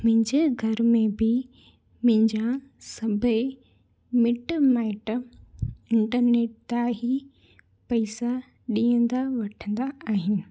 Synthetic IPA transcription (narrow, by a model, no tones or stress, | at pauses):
mʊ̃ɦɪ̃ɲd͡ʑeɡʱɐɾmẽbɪ | mʊ̃ɦɪ̃ɲd͡ʑasɐbʱe | mɪʈmaːɪʈ | ɪ̃ɳʈəɾneːʈ̚d̪aɦi | pɐɪsa | ɗiːə̃nd̪aʋɐʈʰə̃nd̪aaːɦɪnɪ̆